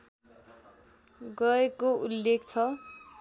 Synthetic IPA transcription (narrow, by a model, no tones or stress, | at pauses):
ɡʌekoulːekt͡sʰʌ